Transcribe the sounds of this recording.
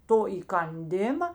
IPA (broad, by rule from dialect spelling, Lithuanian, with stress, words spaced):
ˈtoː iːkɐnʲˈdʲɪmɐ